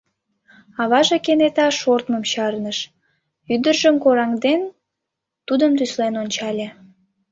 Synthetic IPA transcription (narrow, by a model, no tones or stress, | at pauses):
ɑβɑʒekenet̪ɑʃort̪məmɕɑrnəʃ | yd̪ərʒəmkoɾɑŋd̪en | t̪ud̪əmt̪yslenonʲt͡ɕɑlʲe